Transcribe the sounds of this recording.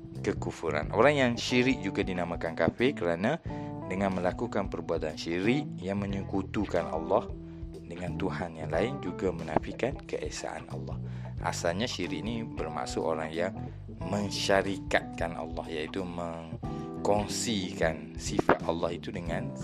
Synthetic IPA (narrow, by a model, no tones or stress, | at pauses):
kəkufuɾa̰nʔo̰ɾaŋjaŋʃiɾɪk̚d͡ʒuɡadinamãkankafɪkəɾanãdəŋãnmə̃lakukanpərbuat̪anʃiɾɪʔjaŋmə̃ɲəkut̪ukanʔa̰lːɑh | dəŋãnt̪uhanjaŋlaɪnd͡ʒuɡamənafikankəʔɛsa̰ʔa̰nʔa̰lːɑ̰h | ʔa̰salɲaʃiɾɪʔnibərma̰ʔsʊʔoɾaŋjaŋ | mə̃ŋʃaɾikat̪̚kanɑ̰lːɑhjait̪umə̃ŋkɔŋsikan | sifat̪ʔalːɑhit̪udəŋãn